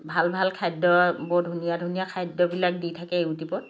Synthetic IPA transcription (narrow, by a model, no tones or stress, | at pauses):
bʱalbʱalkʰajdɔbɔdʱunijadʱunijakʰajdːɔbilak̚ditʰakɛeutipɔt̚